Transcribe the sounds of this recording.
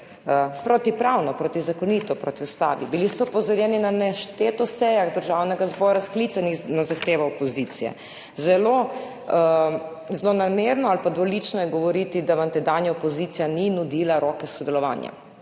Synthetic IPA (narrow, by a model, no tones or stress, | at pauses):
pɾot̪ipɾawnɔpɾoːt̪izakɔniːt̪ɔpɾot̪iust̪a̰ːʋḭbilisɔpɔzɔɾjɛːninanɛʃt̪et̪ɔsɛjaɣd̪əɾʒawnɛɡazbɔɾasklit̪sanixnazaxt̪eːʋaɔpɔzit̪sijɛ̰ | zɛlo | zlonameɾnɔalpad̪ʋɔlit͡ʃnɔjɛɡɔʋɔɾit̪id̪aʋamt̪ɛd̪anjaɔpɔziːt̪ijaninud̪iːlaɾoːkɛsɔd̪ɛlɔʋa̰ːnja̰